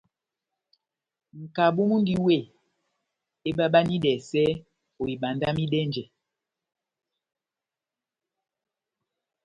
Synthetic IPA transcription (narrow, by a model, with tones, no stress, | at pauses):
ŋ̩˨ka˨ɓo˦mu˦n˦di˦we˦˨ | e˦ɓa˦ɓa˦ni˦dɛ˨sɛ˦ | o˨i˨ɓa˨nda˦mi˦dɛ˦nd͡ʒɛ˨